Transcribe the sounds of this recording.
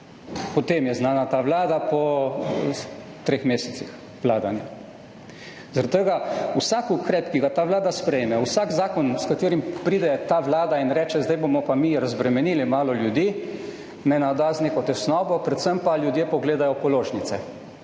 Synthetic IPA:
pɔt̪eːmjɛznaːnat̪aːʋlaːd̪apɔ | t̪ɾexmeːsɛt̪six | ʋlaːd̪anja | zaɾat̪̚t̪əɡausakukɾɛːpkiɡat̪aːʋlaːd̪aspɾɛjmɛwsaːɡzaːkɔnskat̪eːɾimpɾiːd̪ɛt̪aʋlaːd̪ainɾɛːt͡ʃɛzd̪ajbomɔpamiɾazbɾɛmɛniːlimaːlɔljud̪iː | mɛnad̪aːzneːkɔt̪ɛsnɔːbɔpɾɛt̪səmpaljud̪jeːpɔɡleːd̪ajɔpɔloːʒnit̪sɛ

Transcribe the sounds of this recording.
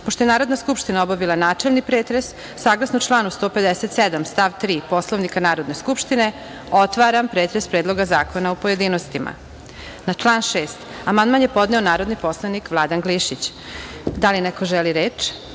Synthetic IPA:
poʃt̪ojenaːɾod̪naskupʃt̪inaobaʋilanaːt͡ʃelnipɾeːt̪ɾesː | aːɡlˠasnot͡ʃlˠaːnust̪oːpe̞d̪eset̪sed̪amst̪aʋt̪ɾiːpo̞slˠoʋnikanaːɾo̞d̪ne̞skupʃt̪ine | ot̪ʋaɾampɾeːt̪ɾespɾeːd̪lˠo̞ɡazaːkonaupoje̞d̪iːnost̪imʔa̰ | nat͡ʃlˠaːnʃeːst̪amand̪manjepo̞d̪neonaːɾo̞d̪nipo̞slˠanikʋlˠad̪anɡliʃit͡ɕ | d̪alinɛko̞ʒeliɾeːt͡ʃ

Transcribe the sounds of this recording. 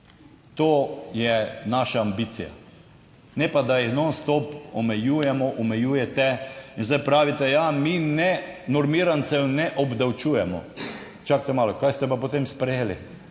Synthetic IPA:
t̪oːjɛnaːʃaːmbiːt̪sija̰ | nɛpad̪ajixnonst̪ɔpɔmɛjuːjɛmɔʔɔmɛjuːjɛt̪ɛinzd̪ajpɾaːʋit̪ɛjaminɛnɔɾmiːɾansɛwnɛʔɔbd̪awt͡ʃuːjɛmɔ̰ | t͡ʃakt̪ɛmaːlɔkajst̪ɛpapot̪emspɾɛjelḭ

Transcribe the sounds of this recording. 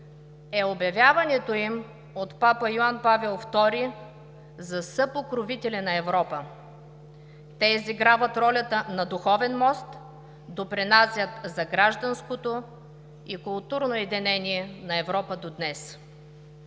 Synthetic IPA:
ɛobjɐvʲjavɐnɛt̪oim | ot̪papəjʊanpavɛlˠft̪ɔɾi | zɐsɤpokɾovit̪ɛlʲɛnɐɛvɾɔpə | t̪ɛiziɡɾavət̪ɾɔlʲət̪ənɐd̪uxɔvɛnmɔst̪ | d̪opɾɛnasʲjət̪zɐɡɾaʒd̪ɐnskot̪o | ikʊlˠt̪uɾnoɛd̪ɛnɛniɛnɐɛvɾɔpəd̪od̪nɛs

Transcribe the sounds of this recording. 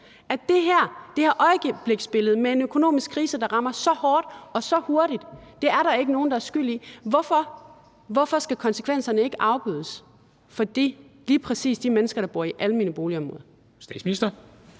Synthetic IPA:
æd̥e̝ɦæɐ̰d̥e̝hɑ̈ʔɒ̽ɪəɡ̥b̥le̝ɡ̥sb̥e̝ləð̩ˠmee̝nøkʰo̝no̝̰ːmisɡ̥̚kʰʁiːsəd̥ɑ̈ʁɑ̈mɐsɒ̽hɒːd̥ɒ̽sɒ̽ho̝ɐɾid̥d̥e̝æɐɾɑ̈e̝ɡ̥əno̝ːn̩d̥ɑæɐsɡ̥yl̰iʋɒfɒ | ʋɒfɒ̽sɡ̥ækʰɒ̽nsə̥kʰʋen̰sɐnəe̝ɡ̥əʔɑ̈ʊb̥y̰ːðˠəs | fɒ̽d̥ḭː | liːpʰʁɛsḭːsd̥imenəsɡ̥ɐɾ̥ɑ̈b̥o̝ɐ̰iʔæləmiːnəb̥o̝ːliɒ̽mʁɔ̽ːðˠɐ | sd̥ɛ̰̥ːsminisd̥ɐ

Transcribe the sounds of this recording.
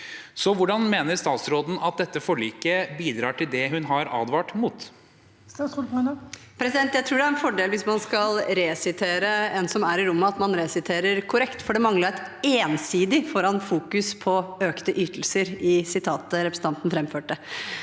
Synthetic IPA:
sɔʋʊɖɑnmeːnəɾst̪ɑːt̪sɾoːd̪n̩ɑt̪̚d̪ɛt̪ːəfɔɭiːkəbiːd̪ɾɑːʈʰɪld̪ɛɦʉnɦɑɾɑ̰ːd̪ʋɑːʈmuːt̪ | pʰɾɛsɪd̪ɛnt̪jæɪɾuːɖɛæɾɛnfɔɖeːlʋɪsmɑnskɑlɾesɪt̪ʰeːɾəɛnsɔmæɾɪɾʊmːəɑt̪mɑnɾɛsɪt̪ʰeːɾəɾkʰʊɾɛkt̪fɔɖɛmɑŋlɑɾt̪eːnsiːd̪ɪfɔɾɑnfuːkʉspʰɔøːkt̪əʔyːt̪əl̩səɾɪsɪt̪ʰɑːt̪əɾɛpɾəsn̩ʰɑnt̪n̩fɾɛmføːʈːə

